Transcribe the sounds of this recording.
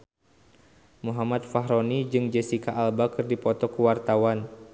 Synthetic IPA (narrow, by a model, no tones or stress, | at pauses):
muɦamat̪̚faɦɾɔnid͡ʒɨŋd͡ʒɛsikaʔːlbakɨrdipɔt̪ɔkuwart̪awan